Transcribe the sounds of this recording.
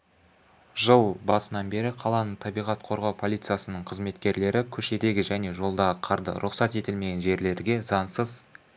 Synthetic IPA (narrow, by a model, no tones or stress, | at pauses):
ʒəlˠbɑsənɑnbe̞ɾɪqʰɑlˠɑnəɴt̪ʰɑbijʁɑt̪qʰo̞ɾʁɑwpʰolʲijt̪sɨjasənəɴqʰəzme̞t̪kʲe̞ɾle̞ɾɪkʲʰɵʃe̞d̪e̞ɡʲɪʒæne̞ʒo̞lˠd̪ɑʁəqʰɑɾd̪ə̰ɾʔʊqsɑt̪e̞t̪ɪlme̞ɡʲe̞nʒe̞ɾle̞ɾɡʲe̞zɑnsəz